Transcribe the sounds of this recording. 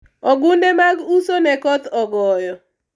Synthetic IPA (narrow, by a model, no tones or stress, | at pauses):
ɔɡʊndemaɡusonɛkɔt̪ɔɡɔjɔ